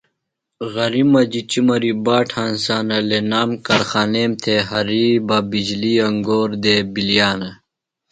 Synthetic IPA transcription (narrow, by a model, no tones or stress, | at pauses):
ɣɐɾimɐd͡ʑit͡ɕimɐɾibaːʈʰãːnsaːnɐlenaːmkɐɾxaːneːmt̪ʰeɦɐɾiːbɐbid͡ʑliɐŋɡoːɾd̪ebilijaːnɐ